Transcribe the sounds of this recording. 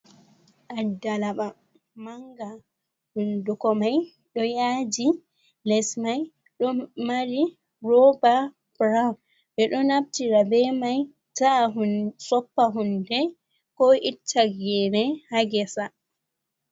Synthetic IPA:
ʔadːalaɓa | maŋɡa | hundukɔmaj | ɗɔjaːd͡ʒi | lɛsmaj | ɗɔmaɾi | rɔba | b̥ɾaw | ɓɛɗɔnab̚tiɾabɛmaj | taɦusɔpːaɦundɛ | kɔʔitʰːaɡɛnɛhaɡɛsa

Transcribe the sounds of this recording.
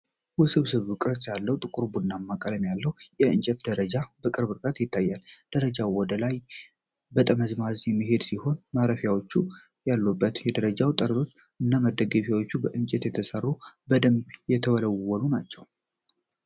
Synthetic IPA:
wʊsɨβsɨβukʼɾɨt͡ʃ̪jalːəwt̪ʼɨkʼuɾbunːamːakʼələmjalːəwjɛɨnt͡ʃʼɛt̪d̪əɾəd͡ʒabəkʼɨɾbɨɾkʼət̪jɪt̪ːajːald̪̥əɾəd͡ʒawɔd̪əlaj | bət̪ʼəməzmazjɛmːiɦe̞d̪siho̞nmaɾəfjawo̞t͡ʃːu | jalːubːət̪jɛd̪əɾəd͡ʒawt̪ʼəɾəlo̞t͡ʃː | ʔɨnːaməd̪ːəɡəfjawot͡ʃːubəʔɨnt͡ʃʼɛt̪jɛt̪ʰəsərːubəd̪əmjɛt̪ʰəβələwːɔlunat͡ʃːɛw

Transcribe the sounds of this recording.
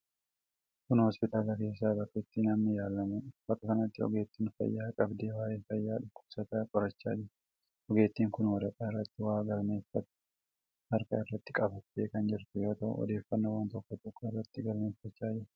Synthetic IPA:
kʊnhɔspɪt̪ʼaːlɐke̞ːsːaːbɐkʼːɪt̪ːinɐmnɪjaːlːɐmubɐkʼːɐkɐnɐt̪ːɪɔ̰ɡe̞ːt̪ːiːnfɐ̰jːaːkʼɐbd̪e̞ːwaːjeːfɐjːaːᶑʊkːʊ̥b̥sɐt̪ɐkʼɔɾɐt͡ʃːa̰ːd͡ʒɪɾ | ʔɔɡe̞ːt̪ːiːŋkʊnwɐɾɐk̪ʼaːɪrːɐt̪ːɪwaːɡɐlme̞ːfɐt̪ | hɐɾkɐ̰ɪrːɐt̪ːɪkʼɐbɐt̪ːeːkɐnd͡ʒɪɾt̪ɛjoːt̪ɐʔʊ̰ɔ̰d̪e̞ːfːɐnːɐwaːnt̪ɔkːɔt̪ɔkʰːɔɪrːɐt̪ːɪɡɐlme̞ːfːɐt͡ʃːaːd͡ʒɪɾ

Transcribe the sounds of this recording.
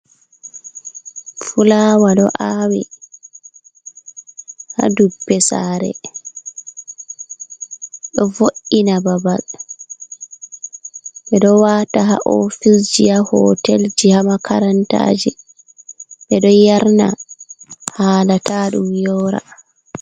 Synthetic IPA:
fulawaɗɔ̰ʔawḭ | ha̰dubːɛsaːɾɛ̰ | ɗɔvoʔinababal | ɓɛɗɔwataɦaʔofisd͡ʒijahɔtɛld͡ʒihamakʰaɾanta̰ːd͡ʒi | ɓɛɗɔjaɾna | haːlataɗumjɔːɾa̰

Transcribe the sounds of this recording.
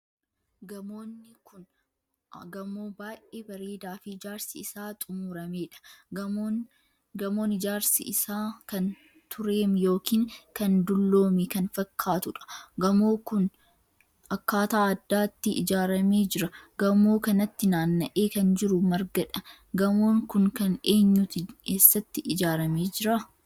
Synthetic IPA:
ɡɐmoːnːɪkʊn | ɡɐmoːbaːʔʔʔeːbɐɾeːd̪aːfɪd͡ʒaːɾsɪɪsaːt̪ʼʊmuːɾɐme̞ːᶑɐ̥ | ɡɐmo̞ːnːɪd͡ʒaːɾsɪ̰ʔɪsaːkɐn | t̪ʰʊɾe̞ːmjo̞ːkiːŋkɐnd̪ʊlːo̞ːmɛkɐnfɐkʰːaːt̪ʊᶑɐ̥ɡɐmoːkʊn | ɐkːaːt̪aːɐd̪ːaːt̪ːɪʔɪd͡ʒaːɾɐme̞ːd͡ʒɪɾɐɡɐmo̞ːkɐnɐt̪ːɪnaːnːɐʔeːkɐnd͡ʒɪɾʊmɐɾɡɐᶑɐ | ɡɐmo̞ːŋkʊŋkɐneːɲːut̪ɪkeːsːɐt̪ːɪʔɪd͡ʒaːɾɐmeːd͡ʒɪɾa

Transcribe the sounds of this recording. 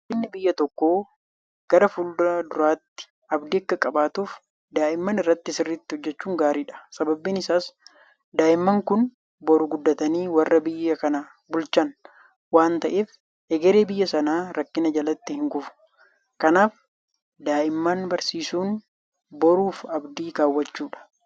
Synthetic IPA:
ɪnːɪbɪjːɐt̪ɔkːoː | ɡ̥ɐɾɐfuld̪ɾaːd̪ʊɾaːt̪ːɪ̥ | ʔɐbd̪ɪɐkːɐkʼɐbaːt̪uːf | d̪aːʔɪmːɐnɪrːɐt̪ːɪsɪrːɪt̪ːɪhɔd͡ʒːɛt͡ʃːuːŋɡaːɾiːᶑɐ̥sɐbɐbːiːnɪsaːs | d̪aːʔɪmːɐŋkʊn | bɔɾʊɡʊd̪ːɐt̪ɐniːwɐrːɐbɪjːɐkɐnɐ | bʊlt͡ʃɐn | waːnt̪ɐʔeːf | ɛɡɛɾeːbɪjːɐsɐnaːɾɐkːɪnɐd͡ʒɐlɐt̪ːɪhɪŋɡʊfʊ̥ | kɐnaːf | d̪aːʔɪmːɐnbɐɾsiːsuːn | bɔɾuːfɐbd̪iːɡaːwːɐt͡ʃːuːᶑɐ̥

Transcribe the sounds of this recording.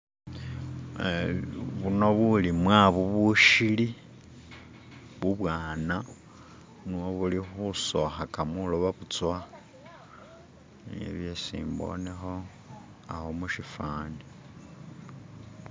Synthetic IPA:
βuno̞βulimwaβuβuʃili | βuβwaːna | nuwoβulixuso̰xakamuloβaβut͡swa | nḛβjesḭːmbo̰nexo̞ | a̰homuʃifaːndi

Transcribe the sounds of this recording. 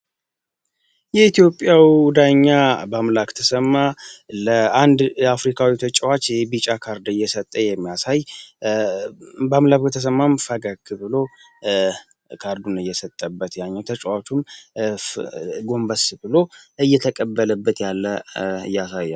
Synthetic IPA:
jɛit̪jo̞pʼːjawid̪aɲːabamlakt̪ʰəsəmːaləand̪afɾikʰawit̪ʰət͡ʃʼwat͡ʃːebit͡ʃʼakʰaɾd̪ɨjːɛsət̪ʼːəjɛmːijasaj | bamlakkt̪ʰəs̬əmːamfəɡəɡbɨlo̞ | kʰaɾd̪unɨjːɛsət̪ʼːəbːət̪jaɲːɛwt̪ʰət͡ʃʼwat͡ʃːum | ɡo̞mbəsbɨlo̞ɨjːɛt̪ʰəkʼəbːələbːət̪jalːəɨ̰jːasajːa

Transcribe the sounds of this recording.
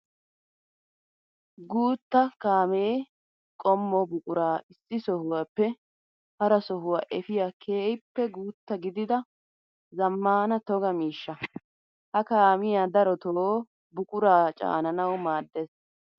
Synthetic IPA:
ɡuːt̪ːɐkaːmeː | kʼɔmːɔbʊkʼʊɾaːɪsːɪsɔhʊwaːpːɛ | hɐɾɐsɔɦʊwaːʔɛfɪjakʰeːjpːɛɡuːt̪ːɐɡɪd̪ɪd̪ɐ | zɐmːaːnɐt̪ɔɡɐmiːʃːɐ | hɐkaːmɪjaːd̪ɐɾɔt̪oː | bʊkʼʊɾaːt͡ʃʼa̰ːnɐnɐwmaːd̪ːes

